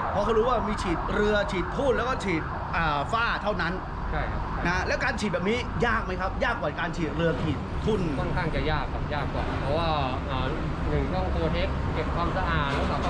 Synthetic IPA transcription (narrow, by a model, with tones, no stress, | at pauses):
pʰɔː˧kʰa˦˥ɾuː˦˥waː˥˩miː˧t͡ɕʰiː˨˩t̪̚ɾɯ˧ɐt͡ɕʰiː˨˩t̪ʰːu˥˩nlɛː˦˥wkɔː˥˩t͡ɕʰiː˨˩t̪̚ | ʔəː˨˩faː˥˩t̪ʰa˥˩wna˦˥n | t͡ɕʰa˥˩jkʰa˦˥˦na˦˥lɛː˦˥wkaː˧nt͡ɕ̪̚ʰːbɛː˨˩p̚niː˦˥ | jaː˥˩k̚ma˦˥jkʰa˦˥p̚jaː˥˩kːwaː˨˩kaː˧nt͡ɕʰiː˨˩t̪̚ɾɯ˧ɐt͡ɕʰiː˨˩t̪̚ʰːu˥˩nkʰɔ˥˩nkʰaː˥˩ŋt͡ɕa˨˩jaː˥˩kːa˨˩p̚jaː˥˩kːɔ̰˨˩npʰɔː˦˥waː˥˩ | ʔaː˨˩ | nɯ˨˩ŋt͡ɕʰɔ˥˩ŋko˧t̪ʰe˦˥˩p̚ke˨˩p̚kʰwaː˧msa˧ʔaː˨˩t̪̚lɛː˦˥wka˧˩